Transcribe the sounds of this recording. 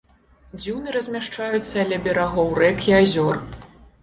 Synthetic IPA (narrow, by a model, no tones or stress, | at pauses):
d͡zʲiwnɨɾɐzʲmʲaʂt͡ʂajut̪sːɐɐlʲɛbʲɛɾaɣɔwrɛkʰiazʲɔr